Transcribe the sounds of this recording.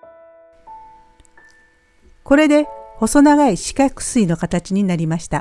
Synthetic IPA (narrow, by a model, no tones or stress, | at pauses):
ko̞ɾe̞d̪e̞ho̞so̞naɡaiɕi̥kakɯ̟̥sɨino̞kat̪at͡ɕiɲ̟inaɾʲimaɕi̥t̪a